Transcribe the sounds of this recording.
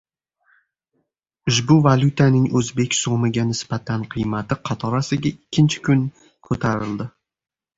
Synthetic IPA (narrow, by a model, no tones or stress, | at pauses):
ʊʃbʊvalʲʊt̪ʰanɪŋɵzbe̞kʲsomɪɡʲanɪsbat̪ʰanqʰɨjmat̪ɪqʰɑt̪ʰɒɾasɪɡʲaikʲʰːɪnt͡ʃʰɪ̥kʰʊŋ | kʰɵt̪ʰaɾɪld̪ɪ